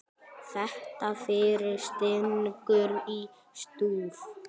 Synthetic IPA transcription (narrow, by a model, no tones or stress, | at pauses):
θɛht̪afɪɾɪɾst̪ɪnkʏɾi | st̪uːð